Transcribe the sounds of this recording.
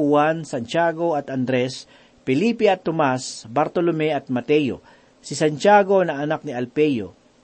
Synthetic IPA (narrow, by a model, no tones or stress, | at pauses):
ʊwansant͡ʃaːɡo̞ɐt̪ɐnd̪ɾɛs | pɛliːpɛɐt̪ːomasbaɾt̪olomɛɐt̪̚mɐt̪ɛjo̰ | sɪsant͡ʃaːɡo̞nɐɐnak̚nɪɐlpɛjo̰